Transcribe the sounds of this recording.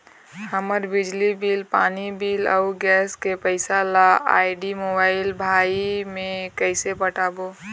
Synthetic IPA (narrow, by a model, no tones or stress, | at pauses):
həməɾbɪd͡ʒlibiːlpaːnibiːlə̰ʊɡɛːskepəɪsalaa̰ːɪɖimoːbaːɪlbʱaːimẽkəɪsepəʈaːbo